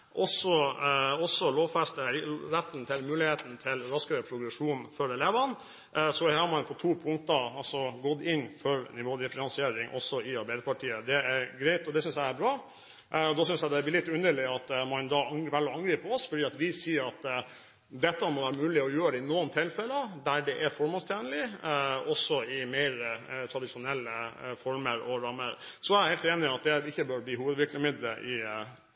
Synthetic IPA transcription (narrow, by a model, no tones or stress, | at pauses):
ʔɔsɔɔsːɔloːʋfɛst̪əɾɛt̪ːn̩t̪ʰɪlmʉːlɪheːt̪n̩t̪ʰɪlɾɑskəɾəpʰɾʊɡɾɛʂuːnfɔɾɛleːʋɑn | sɔhɑmɑnpʰɔt̪ʰuːpʰʊŋkt̪əɑlsɔɡɔt̪ːɪnːfɔɾnɪʋoːd̪ɪfɪnɑnsɪeːɾɪŋʔɔ̰sːɔɪɑɾbæɪd̪əpʰɑʈʰiːəd̪ɛæɾɡɾɛɪt̪ɔd̪ɛsʏnsjæɪæɾbɾɑː | ɔd̪ɔsʏnsjæɪd̪ɛæblɪːlɪt̪ːʉnd̪əɭɪɑt̪mɑnd̪ɑːʋælːɑŋɡɾiːpɔsfɔɖiːɑt̪ʋɪsiːəɾɑt̪ː | d̪ɛt̪ːəmɔʋæːɾəmʉːlɪɔjøːɾəɪnoːənt̪ʰɪlfɛləd̪æɖɛʔæɾfɔɾmɔnst̪ʰjæːnlɪɔsːɔɪmæɪɾt̪ʰɾɑd̪ɪʂʊnɛlːəfɔɾməɾɔɾɑməɾsɔæɪɾhɛɪlt̪eːnɪɑt̪̚d̪ɛɪçːəbøːɾb̪iːɦuːʋəd̪ʋɪɾkləmɪd̪lə̰ʔɪ